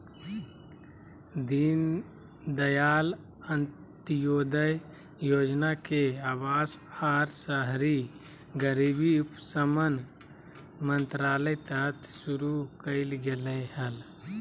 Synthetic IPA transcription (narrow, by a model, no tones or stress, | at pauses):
d̪in | d̪əjaːl | ən | t̪joːd̪əj | joːd͡ʒnakeaːʋaːsaːɾsəɦɾi | ɡəɾibiupsəmən | mənt̪ɾaːləjt̪ət̪suɾukəɪlɡeləhəl